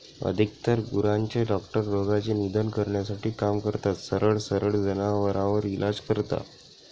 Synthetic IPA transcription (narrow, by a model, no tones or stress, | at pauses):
ə̰d̪ʱik̚t̪əɾɡuɾaɲt͡ɕeɖɔkʈəɾːoɡat͡ɕenid̪ʱənkəɾɳjasaʈiːkamkəɾt̪at̪səɾəɭsəɾəɭd͡zənaʋəɾãʋəɾilʔad͡zkəɾt̪a̰